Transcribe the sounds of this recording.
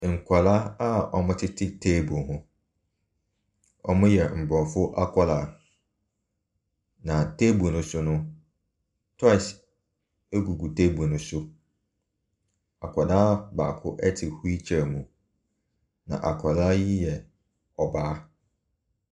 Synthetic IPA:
ŋ̩˨kʷʰa˨la˦a˦ɔ˨mʊ̃˦tʰɪ˦tʰɪ˦tʰeː˦bu˨hʊ̃˦ | ɔ̰˨mʊ̃˦jɛ˨m̩˨bɔ˨fʊ˦ʔa˦kʰʷa˦la˨ | nã˨tʰe˦bu˨nʊ̃˨sʊ˦nʊ̃˦ | tʰɔ˦ɪ˨s | e˦ɡu˨ɡu˨tʰe˦bu˨nʊ̃˦sʊ˦ | a̰˨kʰɔ˨da˦ba̰ː˨kʰʊ˦ʔɛ˦tʰɪ˨hu˦i˦t͡ɕʰɛ˨mũ˨ | nã̰˨ʔa̰˨kʰa˨la˦ji˦jɛ˨ | ɔ˨baː˨˦

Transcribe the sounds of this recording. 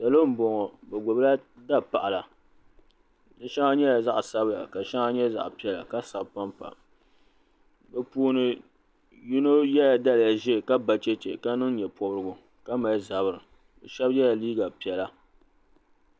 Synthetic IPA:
da˨lo˦m̩˦bo˨ŋɔ˨bɛ˨ɡo˨bla˦da˦pa˨ʔa˨la˨ | dɨ˦ʃɛ˦ŋa˦ɲɛ˦ja˨za˦ʔsa˦bja̰˨ka˨ʃɛ˦ŋa˦ɲɛ˦za̰˨ʔpi˨ɛ˨la̰˨ka˦sa˨bpa˦mpa̰˨ | bɛ˦puː˦nɨ˦ | ju˦no˦jɛ˦ja˨da˦lɪ˨ja˨ʒɛ˦˨ka˦ba˨t͡ʃɛ˦t͡ʃḛ˨ka˦nɨ˦ŋ˦ɲɛ˨pɔ˦bɾɨ˦ɡʊ˨ | ka˦ma˨ɪ˦za˨bɨ˨ɾɨ˨ | bɛ˨ʃɛ˦bjɛ˦ja˨liː˦ɡa˨pi˨ɛ˨la˦

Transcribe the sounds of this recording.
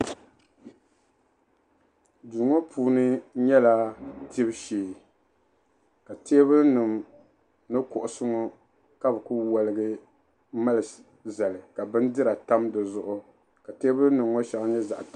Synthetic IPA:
du˨ŋɔ˦pʰuː˦nɨ˦ɲɛ˦la˦ti˦bʃeː˨ | ka˨teː˦bɨ˦lnɨ˨m | nɨ˦kʊ˨ʔʊ˨sɨ˦ŋɔ˦ | ka˦bɨ˨ku˦wa˨lɨ˨ɡɨ˦ | ma˦lɨ˨ | za˨lɨ˨ka˨bɨ˦n˦dɨ˦ɾa˨ta˦mdɨ˨zʊ˦ʔʊ˦ | ka˨teː˦bɨ˦lnɨ˨mŋɔ˦ʃa˨ŋ˦ɲɛ˦za̰˨ʔt

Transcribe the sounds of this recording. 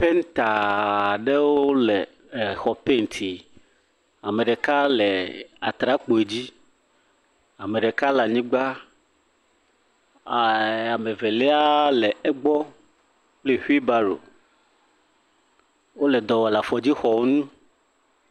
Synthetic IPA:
pe˦ŋ˦t̪a˨ɖe˦wo˦o˦lɛ˨ | xɔ˨pe˦˨ŋ˨t̪ʰi˨ | a˨me˨ɖe˨ka˦le˨a˨t̪ɾa˦k͡po˨e˨d͡ʑi˦ | a˨me˨ɖe˨ka˦la˨ɲĩ˦ɡ͡ba˦˨ | a˨me˨ve˨le˦a˦lɛ˨ɛ˦ɡ͡bɔ˦ | k͡ple˦ɸi˦ba˦ɖo̰˨ | wo˦le˨d̪ɔ˨wɔ˨la˨fɔ˨d͡ʑi˦xɔ˨wo˦nũ˦

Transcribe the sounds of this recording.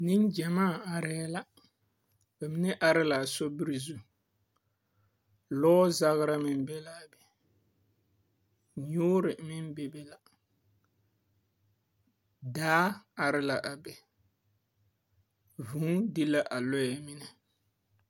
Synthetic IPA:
ni˦nd͡ʒɛ˨maː˦˨a˨ɾɛ˦la˦ | ba˨mɪ˦nɛ˦ʔa˦ɾɪ˦la˨sɔ˦bi˦ɾi˨zu˦ | lɔː˦za˦ɣɪ˦ɾa˦mɪ˨n˦bɛ˦la˨bɛ˨ | ɲʊː˦ɾɪ˨mɪ˦n˦bɛ˦bɛ˦la˨ | daː˦a˨ɾɪ˦la˨ʔa˨bɛ˨ | vũ˨˦di˦la˦ʔa˨lɔ˦jɛ˨mɪ˦nɛ˨

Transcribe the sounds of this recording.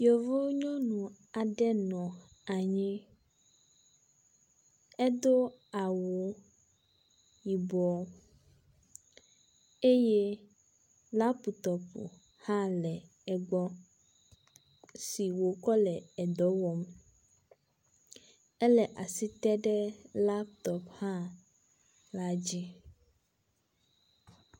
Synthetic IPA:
jɔ˨vo˦ɲɔ̃˦nũ˨ | a˨ɖɛ˦nɔ̃˨ | a˨ɲĩ˦ | ɛ˦d̪o˦a˨wo˨ | ji˨bɔ˨ɔ˦ | e˦je˦ | la˦pu˨t̪ɔ˨pṵ˨ | hã˦lɛ˨ | ɛ˨ɡ͡bɔ˦ | si˨wo˨kɔ˦lɛ˨ɛ˨d̪ɔ˨˦wɔ˦m | ɛ˦lɛ˨ʔa˨si˦t̪ɛ˦ɖɛ˦la˦p̚t̪ɔ˨phã˦ | la˦d͡ʑi˦

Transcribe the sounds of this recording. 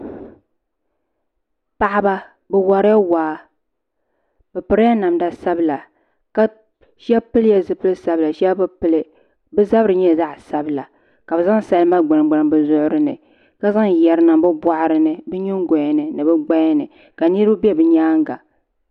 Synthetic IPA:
pa˨ʔa˦ba˦ | bɛ˨wa˨ɾja˦waː˨˦ | bɨ˨pɨ˨ɾa˦na˨mda˦sa˦bɨ˦la˨ | ka˦ | ʃɛ˦pɨ˦lja˦zɨ˨pɨ˦lɨ˦sa˦bɨ˦la˨ʃɛ˦bɨ˦pɨ˦lɨ˦ | bɨ˦za˦bɾɨ˨ɲɛ˦˨za˦ʔsa˦bɨ˦la˨ | ka˨bɨ˨za˦ŋsa˦lɨ˦ma˦ɡ͡bɨ˨n˨ɡ͡bɨ˨n˨bɨ˨zʊ˦ʔʊ˦ɾɨ˦nɨ˨ | ka˦za˦ŋjɛ˨ɾɨ˦na˨mbɨ˦bwa˦ʔɾɨ˦nɨ˨bɨ˦ɲɪ˦ŋ˦ɡɔ˨nɨ˨nɨ˨bɨ˦ɡ͡ba˦jnɨ˨ | ka˨nɨ˦ɾɨ˦bɨ˦bɛ˦bɨ˦ɲaː˦ŋɡa˨

